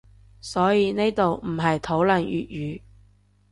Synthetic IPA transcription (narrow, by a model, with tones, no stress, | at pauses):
sɔː˨˥jiː˨˧ne˥jt̪o˨wm̩˨˩ɦɐ˨jt̪ʰo˨˥wlɐ˨njy̰ː˨t̚jyː˨˧